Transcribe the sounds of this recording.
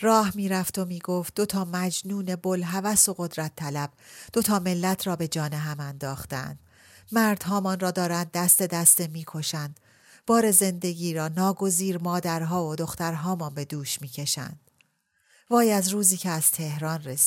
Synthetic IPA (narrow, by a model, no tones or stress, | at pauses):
rɒːhmiːɾæft̪ʰo̞miːɡo̞ːft̪̚d̪o̞t̪ʰɒːmæd͡ʒnuːne̞bo̞lɦævæso̞ɣo̞d̪ɾæt̪ʰːælæb̥d̪̥o̞t̪ʰɒːme̞lːæt̪ʰrɒːbe̞d͡ʒɒːneɦæmænd̪ɒːxt̪ææ̰nd̪̥ | mæɾd̪̥ɦɒːmɒnrɒːd̪ɒːɾænd̪ːæst̪e̞d̪æst̪emiːkʰo̞ʃænd̪̥ | b̥ɒːɾe̞ze̞nd̪e̞ɡiːɾɒːnɒːɡo̞ziːɾmɒːd̪æɾɦɒːvod̪o̞xt̪æɾɦɒːmɒːnbe̞d̪uːʃmiːcʰe̞ʃæ̰nd̪̥ | vɒːjæzruːziːcʰeæz̥t̪ʰe̞hɾɒːnres